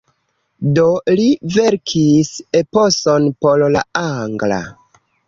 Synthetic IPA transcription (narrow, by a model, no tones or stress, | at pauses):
do̞live̞ɾkʰisepo̞sonpo̞lla̰aŋɡla̰